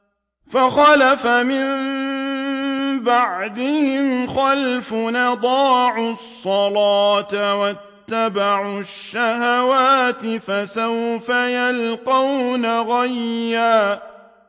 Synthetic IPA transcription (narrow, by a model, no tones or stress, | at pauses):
faxalafamɪm | baʕd̪ɪhɪmxalfʊnɑd̪ˤɑːʕʊsˤːɑlɑːt̪awat̪ːabaʕʊʃːahawaːt̪ɪfasawfajalqɑwnaɣajːaː